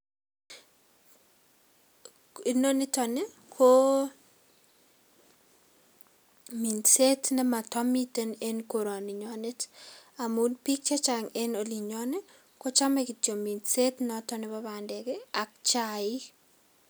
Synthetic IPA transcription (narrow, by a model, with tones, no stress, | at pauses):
i˨no˦nɪ˦tɔ˨ne | kʰo˦ | mi˨nse˦tnɛ˦ma˨tɔ˦mi˦te˦ne˦nko˨ɾo˨ni˨ɲɔ˨ne˦ta˨mu˦npi˦k̚t͡ʃa˦t͡ʃaŋe˦no˨li˨ɲɔne˦ | ko˦t͡ʃa˦meki˨to˨mi˨ndse˦tnɔtɔ˦nɪ˦babandɛ˨ke˦ak̚t͡ʃaɪ˦